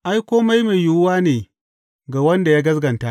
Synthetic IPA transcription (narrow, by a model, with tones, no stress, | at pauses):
ʔa˦jkʷoː˦ma˦jma˨jjʊ˦ʊ˦waː˦neː˨ | ɡaː˨wɐ˦nda˨jaː˦ɡɐ˦sɡɐ˨nta˦ʔ